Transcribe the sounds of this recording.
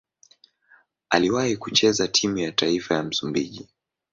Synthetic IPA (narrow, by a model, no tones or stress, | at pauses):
aliwahikut͡ʃɛzatʰimujataifajam̩sumbiʄi